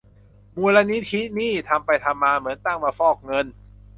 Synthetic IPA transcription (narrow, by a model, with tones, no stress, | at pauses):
muː˧la˧˥ni˦˥t̪ʰi˦˥niː˥˩t̪ʰa˧mpa˧jt̪ʰa˧mːaː˧mɯ˩˦ənt̪a˥˩ŋmaː˧fɔː˥˩k̚ŋɤ˧n